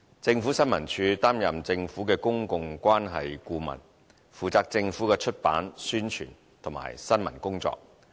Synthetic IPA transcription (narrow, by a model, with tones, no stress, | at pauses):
t͡sɪ˧ŋfu˨˥sɐ˥nmɐ˨˩nt͡ʃʰyː˧t̪aː˥mjɐ˨mt͡sɪ˧ŋfuː˨˥kɛː˧kʊ˥ŋkʊ˧ŋkʷaː˥nɦɐ˨jkuː˧mɐ̰˨˩n | fuː˨˩t͡saː˧k̚t͡sɪ˧ŋfuː˨˥kɛː˧t͡ʃʰɵ˥t̚pa̰ː˨˥nsyː˥nt͡ʃʰy̰ː˨˩n | t̪ʰʊ˨˩ma̰ː˨˩jsɐ˥nmɐ̰˨˩nkʊ˥ŋt͡sɔ̰ː˧k̚